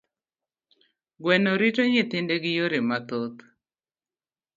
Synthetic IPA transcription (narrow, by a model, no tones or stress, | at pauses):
ɡwɛnɔɾɪtoɲɪt̪ɪndeɡɪjoɾɪmat̪ot̪